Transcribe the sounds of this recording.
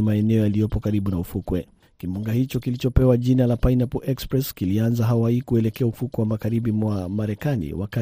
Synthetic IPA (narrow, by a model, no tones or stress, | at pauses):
maɛnɛɔjalijɔpɔkaɾiɓunaufukwɛ | kimuŋɡahit͡ʃɔkilit͡ʃɔpɛwaʄinalapajnapuʔɛkspɾɛskilianzaɦawaikuɛlɛkɛaufukwɛwamaɣaɾibimwamaɾɛkanḭwaka